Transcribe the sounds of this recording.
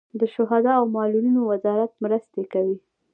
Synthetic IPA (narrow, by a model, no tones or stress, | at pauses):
d̪əʃʊɦad̪ɑawmɑlulinowazɑɾat̪̚mɾəst̪ekawi